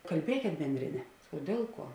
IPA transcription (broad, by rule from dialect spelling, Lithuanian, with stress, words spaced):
kɐlʲˈbʲiɛkʲeːt ˈbʲɛnʲdʲrʲeːˌnʲɛ oː ˈdʲeːlˠ ˌkuɔ